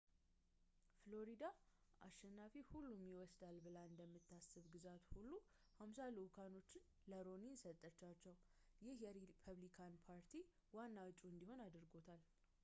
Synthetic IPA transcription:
flo̞ɾid̪aʔa̰ʃɛnːafihulːumjɪwɔsd̪albɨlaɨnd̪əmːɨt̪ʰːasɨβɡɨzat̪hulːu | hamsalukʰano̞t͡ʃːɪn | ləɾo̞nisət̪ʼːət͡ʃːat͡ʃːɛwjɪhjɛɾipʰəβlikʰanpʰaɾt̪ʰi | wanːawt͡ʃʼuɨnd̪iho̞nad̪ɨɾɡo̞t̪ʰal

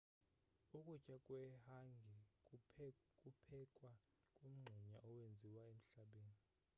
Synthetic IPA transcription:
ukʼut͡ʃʼakʼwɛhaŋɡʱɛ | kʼupʰɛkʼwa | kʼum̩ŋ͡ǀʱiɲaʔɔwend͡zʱiwaem̩ɬaɓeːni

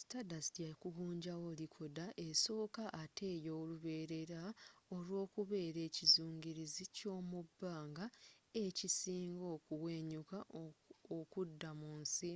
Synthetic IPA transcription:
stadastjakuɡuːɲɟawolikʰodaʔeso̞ːkaʔːtʰe̞ːjoːluβe̞ːɾe̞ɾao̞lwo̞ːkuβe̞ːɾe̞ːcizuːŋɡiɾizico̞ːmubːaːŋɡaecisiːŋɡo̞ːkuwe̞ːɲuka | okudːamunsi

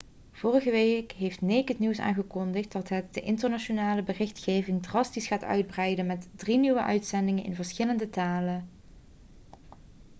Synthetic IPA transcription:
v̥ʊːrəɣəʋekɦejftnekətniwsa̰ːnɣəkɔndəχt̚dɑtɦət̚dəʔɪntəɹnaʃonaːləbərɪxtxeːvɪŋdrɑstisχaːtœ̰ɥd̚brɛjdənmɛtdriniʋəʔœ̰ɥtsɛndɪŋənʔɪ̰nvəɹsxɪləndətaːlə

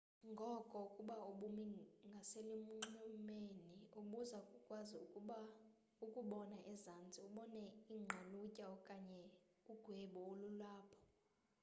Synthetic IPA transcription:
ŋɡʱɔkʼɔkʼuɓaoɓumiŋɡʱaselim̩ŋ͡ǀɔmenioɓuzakʼukʼwazi | ukʼuɓɔnaʔɛzand͡zʱʼiuɓɔnɛiŋ͡ǁʱalucʼaɔkʼaɲɛ | uɡ̥ʱweɓɔolulaːpʰɔ̥

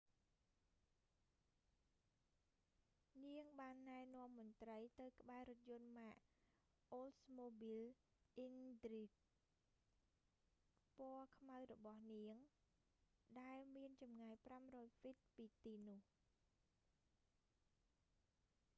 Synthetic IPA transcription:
niəŋɓaːnːaɛnŏəmːʊ̆ənt̪rəjt̪ɨwkə̆ɓaɛɾʊt̪̚jʊ̆ənmaːʔ | ʔoːlsmoːɓil | ʔindrit̚ | pŏəkʰmawrɔɓɑhniəŋ | ɗaɛlmiənt͡ɕɑmŋajpramrɔːjfit̪̚piːt̪iːnʊ̆əh

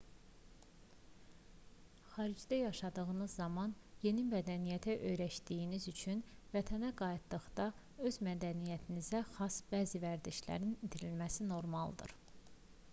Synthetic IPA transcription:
χɑːɾid͡ʒd̪æjɑʃɑd̪ɯɣɯnɯzːɑmɑnje̞nimæd̪ænijæt̪ʰæʔø̞jɾæʃd̪ijinizyt͡ʃʰynvæt̪ʰænæɡɑjit̪d̪ɯχd̪ɑ | ø̞zmæd̪ænijæt̪ʰinizæxɑsb̥æːzivæɾd̪iʃlæ̰ɾinid̪ʰiɾilmæsino̞ɾmɑlˠd̪ɯ̰ɾ

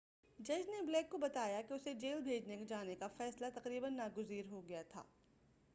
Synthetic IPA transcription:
d͡ʒɐd͡ʒneblɛːkːobɐt̪aːjakeʊsed͡ʒeːlbʱeːd͡ʒnekod͡ʒaːnekafɛːslat̪ɐqɾiːbənːaːɡʊziːɾɦoɡɐjat̪ʰa̰ː

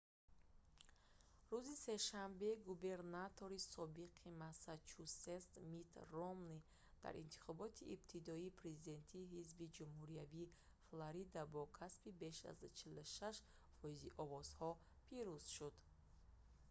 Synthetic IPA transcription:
ɾuzise̞ʃambe̞ɡube̞ɾnat̪ʰo̞ɾisɔbiqʰimasat͡ʃʰusest̪mit̪romni | d̪̥a̰ɾḭnt̪ʰi̥χɔbɔt̪ʰiʔːbt̪ʰid̪ɔiːpʰɾe̞zid̪e̞nt̪ʰiːɦizbid͡ʒumhuɾiaviː | flaɾid̪abɔkʰaspibe̞ʃa̰zt͡ʃʰiluʃaʃ | fɔiziʔɔvɔz̥hɔ | pʰiɾuz̥ʃud̪̥

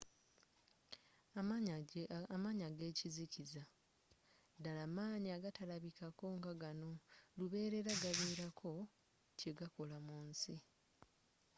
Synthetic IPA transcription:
amaːɲaɡe̞ːciziciza | dalamaːɲiaɡatalaβikako̞ŋɡaɡano̞luβe̞ːɾe̞ɾaɡaβiːɾakʰo̞ | ceɡako̞lamunsi

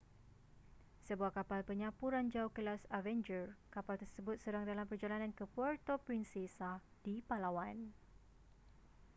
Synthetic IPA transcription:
səbuahkapalpəɲãpuɾand͡ʒaukəlasavɛnd͡ʒərkapalt̪ərsəbʊt̪̚sədaŋdalampərd͡ʒalanãnkəpɔrt̪opɾinsesad̥ipalawan

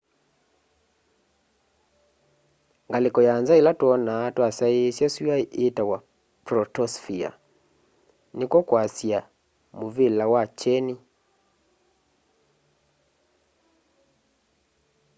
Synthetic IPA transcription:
ŋɡalekɔjanzaelatwɔnaːtwasaesjasuaʔetawa | pɾɔtɔsfia̰ | nekwɔkwasja | moβelawat͡ʃɛni

